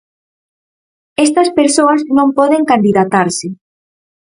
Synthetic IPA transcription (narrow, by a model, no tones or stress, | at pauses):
est̪ɐspeɾsoɐznõmpɔðeŋkand̪iðat̪aɾsɪ